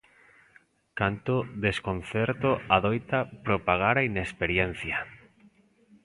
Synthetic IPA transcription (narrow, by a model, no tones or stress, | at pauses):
kant̪oðeskonθɛɾt̪oaðojt̪apɾopaɣaɾainespeɾjɛnθja